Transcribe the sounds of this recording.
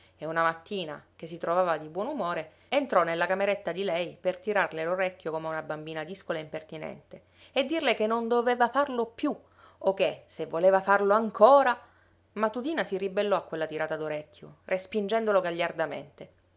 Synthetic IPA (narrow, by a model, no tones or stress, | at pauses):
eunamat̪ːiːna̰k̟es̬ːit̪ɾovaːvad̪ibwɔnumoːɾe | ent̪ɾɔnelːakameɾet̪ːad̪ilɛjpert̪iɾarleloɾɛkʲːjokomeunabambiːnad̪iskolaeimpert̪inɛ̰nt̪e | ed̪ːirlekenːond̪oveːvafarlopju | okːesevːoleːvafarloaŋkʰoːɾa | mat̪ːut̪iːnasiribelːɔakːwelːat̪iɾaːt̪ad̪oɾɛkʰʲːjorʔespind͡ʒɛnd̪oloɡaʎːard̪amḛnt̪e